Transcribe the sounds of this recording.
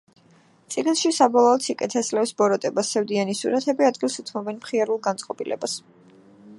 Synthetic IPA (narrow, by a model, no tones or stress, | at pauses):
t̪sʼiɡnsʃisabɔlˠɔːt̪sikʼɛt̪ʰɛslɛfsbɔɾɔt̪ʼɛbasːɛvd̪ianisuɾat̪ʰɛbiad̪ɡilˠsut̪ʰmɔbɛnmχiaɾulˠɡant̪sʼqʼɔbʼilʔɛ̰bas